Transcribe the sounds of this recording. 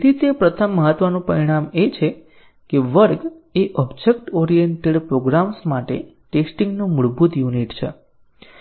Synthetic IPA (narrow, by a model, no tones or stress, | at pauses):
t̪it̪epɾət̪ʰəmːəɦət̪ʋənũpəɾiɽ̃amet͡ʃʰe | keʋəɾɡeʔɔbd͡ʒek̚ʈɔɾijəɳʈeɭpɾoɡɾamsmaʈḛ | ʈesʈiŋɡnũmuɭbut̪juniʈt͡ʃʰḛ